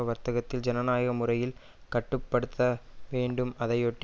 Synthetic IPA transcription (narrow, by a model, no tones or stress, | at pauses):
ɐʋɐɾt̪ɐɣɐt̪ːɪld͡ʒɛnɐnaːjɐɣɐmʊrɐjɪl | kɐʈːɯpːɐɽɯt̪ːɐʋeːɳɖɯmɐðɐjoʈː